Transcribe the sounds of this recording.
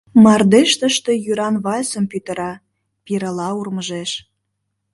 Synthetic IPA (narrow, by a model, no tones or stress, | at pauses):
mɑrd̪eʃt̪əʃt̪e̽jyɾɑnβɑjsə̆mpyt̪ə̆ɾɑ | piɾəlɑurməʒeʃ